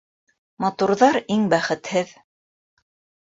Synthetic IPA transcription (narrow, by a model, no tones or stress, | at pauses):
mɑt̪uɾðɑɾiŋbæχɘ̆t̪hɘð